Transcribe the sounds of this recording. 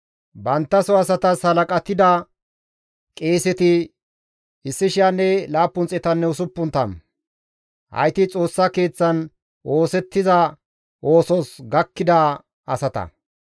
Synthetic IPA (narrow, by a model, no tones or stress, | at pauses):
bɐnt̪ːɐsɔɐsɐt̪ɐshɐlɐkʼɐt̪ːɪd̪ɐ | kʼe̞ːsɛt̪ɪ | ɪsːɪʃɪjanːɛlaːpːʊnt͡sʼɛt̪ɐnːɛʊsʊpːʊnt̪ɐ̰m | hɐ̰jt̪ɪt͡sʼo̞ːsːake̞ːt͡sːɐn | ʔo̞ːsɛt̪ːɪzɐ | ʔo̞ːsɔsɡɐkːɪd̪ɐ | ɐsɐt̪ɐ̰